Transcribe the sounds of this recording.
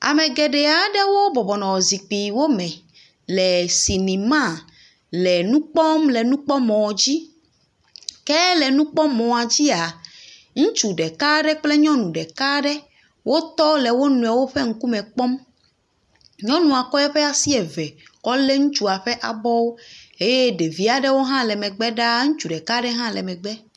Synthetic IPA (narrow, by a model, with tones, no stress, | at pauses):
a̰˨mẽ˨ɡe˨ɖɛ˨a˨ɖe˦wo˦bɔ˨bɔ˨nɔ̃˨ɔ˨zi˨k͡pi˨wo˦mɛ̃˨ | lɛ˨si˨nĩ˨mã˦˨ | lɛ˨nũ˦k͡pɔ˦mlɛ˨nũ˦k͡pɔ˦mɔ̃˨d͡ʑi˦ | kɛ˦lɛ˨nũ˦k͡pɔ˦mɔ̃˨a˨d͡ʑi˦a˨ | ŋũ˦t͡ʃu˨ɖɛ˨ka˦ɖɛ˦k͡plɛ˦ɲɔ̃˦nũ˨ɖɛ˨ka˦ɖɛ˦ | wʔo˦t̪ɔ˦lɛ˨wo˦nũ˨ɛ˨wo˦ɸe˦ŋ̩˦ku˦mɛ̃˨k͡pɔ˦m | ɲɔ̃˦nũ˨a˨kɔ˦jɛ˦ɸɛ˦a˨si˦ɛ˨vɛ˨kɔ˦le˦ŋũ˦t͡ʃu˦a˨ɸɛ˦ʔa̰˨bɔ˦wo˦e˦je˦ɖe˨vi˦a˨ɖɛ˦wo˦ɦã˦lɛ˨mɛ̃˨ɡ͡bɛ˦ɖa˦ŋũ˦t͡ʃu˨ɖɛ˨ka˦ɖɛ˦ɦã˦lɛ˨mɛ̃˨ɡ͡bɛ˦